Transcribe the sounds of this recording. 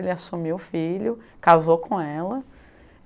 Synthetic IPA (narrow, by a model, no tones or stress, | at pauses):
lɪasumiwʊfilʊkazokʰõɛlɐ